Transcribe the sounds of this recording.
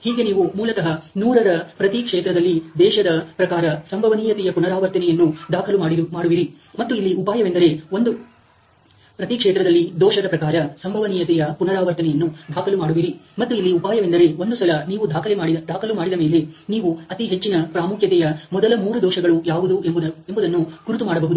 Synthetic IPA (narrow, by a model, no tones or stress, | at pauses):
hiːɡe̞niːʋumuːlɐkɐɦɐnuːɾɐɾɐpɾɐt̪ikʂeːt̪ɾɐd̪ɐlːid̪ɛːʃɐd̪ɐpɾɐkaːɾɐsɐmbʱɐʋɐniːjɐt̪ɛjɐpunɐɾaːʋɐɾt̪ɐnɛjɐnːud̪aːkʰɐlumaːɽimaːɽuʋiɾi | mɐt̪ːuilːiupaːjɐʋe̞nd̪ɐɾe̞ond̪u | pɾɐt̪ikʂeːt̪ɾɐd̪ɐlːid̪ɔːʃɐd̪ɐpɾɐkaːɾɐsɐmbʱɐʋɐniːjɐt̪ɛjɐpunɐɾaːʋɐɾt̪ɐnɛjɐnːud̪ʱaːkʰɐlumaːɽuʋiɾimɐt̪ːuilːiupaːjɐʋe̞nd̪ɐɾe̞o̞nd̪usɐlɐniːʋud̪ʱaːkʰɐlemaːɽid̪aːkʰɐlumaːɽid̪ɐme̞ːle̞niːʋuɐt̪iɦe̞t͡ʃːinɐpɾaːmukʰjɐt̪ɛjɐmɔd̪ɐlɐmuːɾud̪ɔːʃɐɡɐɭujaːʋud̪ueb̪embud̪ɐnːuɡ̥uɾut̪umaːɽɐbɐɦud̪u